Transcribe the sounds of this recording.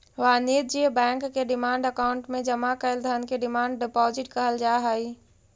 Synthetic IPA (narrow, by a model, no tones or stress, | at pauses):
ʋaniːt̪̚d͡ʒiəbɛ̃ːŋkːeɖɪmaːɳɖɐkaʊ̃ɳʈmẽd͡ʒɐmakɐɪld̪ʱəən̆kʰeɖɪmãːɳɖɖɪpɔːzɪʈkɐɦəld͡ʒaːɦaːiː